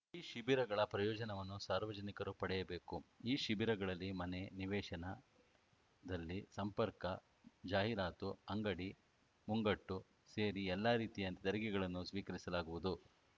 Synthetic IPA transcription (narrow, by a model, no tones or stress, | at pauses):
iːʃibiɾɐɡɐɭɐpɾɐjɔːd͡ʒɐnɐʋɐnːusaːɾʋɐd͡ʒɐnikɐɾupɐɽɛjɐbe̞ːkuiːʃibiɾɐɡɐɭɐlːimɐneniʋɛːʃɐnɐ | d̪ɐlːisɐmpɐɾkɐ | d͡ʒaːɦiɾaːt̪uɐŋɡɐɽi | muŋɡɐʈːu | se̞ːɾiɛlːaːɾiːt̪ijɐnt̪it̪ɐɾɐɡɛɡɐɭɐnːusʋiːkɐɾisɐlaːɡuʋud̪u